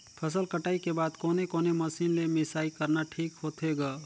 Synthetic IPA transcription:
pʰəs̬əlkəʈaːikebaːd̪koːnekoːneməsiːnlemɪsaːikəɾnaʈʰiːkɦoːt̪ʰɦeɡaː

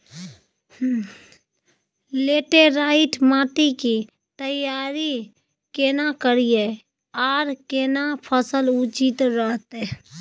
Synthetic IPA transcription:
leːʈeɾaːɪʈʰmãːʈiki | t̪əjaːɾi | keːnakəɾije | aːɾkeːnapʰəsəlut͡ʃit̪ɾəɦt̪e

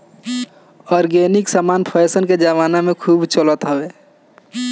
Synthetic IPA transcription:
ɔːɾɡeniksamaːnpʰəesənked͡ʒaʋaːnamẽkʰuːbt͡ʃələt̪ɦəwe

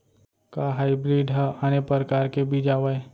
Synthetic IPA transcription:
kaɦaːɪbɾiːɖɦəanepəɾkaːɾkebʱid͡ʒaːʋae

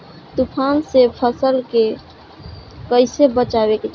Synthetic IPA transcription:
t̪upʰansepʰəsəlke | kəɪsebət͡ʃabeket͡ʃʰ

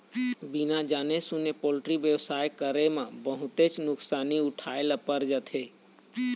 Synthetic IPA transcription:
binad͡ʒaːnesʊnepoːlɪʈɾibjəwsaːjkəɾemãbəɦʊt̪et͡ʃnʊksaːniʊʈʰaːeləpəɾd͡ʒət̪ʰeː

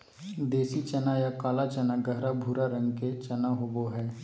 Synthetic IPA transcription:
d̪eːsit͡ʃɐnajakaːlat͡ʃənaɡəɦɾabʱuːɾaɾə̃ŋɡket͡ʃɐnaɦoboɦɛː

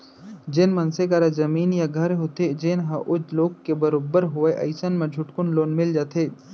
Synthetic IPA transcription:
d͡ʒɪnmɐnsekaɾazɐmiːnjaɡʱɐɾɦot̪ed͡ʒenɦɐʔʊd͡ʒloːɡkebəɾoːbəɾɦʊeʔɐɪsənmẽd͡ʒʱʊʈkʊnloːnmɪld͡ʒaːt̪ʰeː

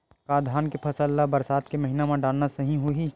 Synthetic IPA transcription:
kaːd̪ʱaːnkepʰɐsəlːabɐɾsaːt̪kemɐɦiːnamãɖaːlnasɐɦĩɦoɦiː

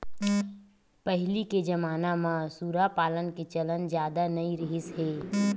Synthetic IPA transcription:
pəɦɪliked͡ʒəmaːnamãsuːɾapaːlənket͡ʃələnd͡ʒjaːd̪anɐĩɾɪɦɪsɦeː

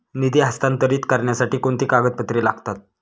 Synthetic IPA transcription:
nid̪iːɦast̪ant̪əɾiːt̪kəɾɳjasaʈiːkoɳt̪iːkaɡət̪̚pət̪ɾiːlaɡʱt̪at̪̚

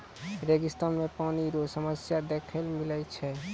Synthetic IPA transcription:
ɾeɡist̪anmepaniɾosəməsjad̪ekʰəlmilat͡ʃʰɛ

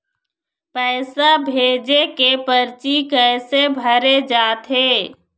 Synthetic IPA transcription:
pɛːsabʱeːd͡ʒekepəɾt͡ʃikɛːsebʱəɾed͡ʒaːt̪ɦeː

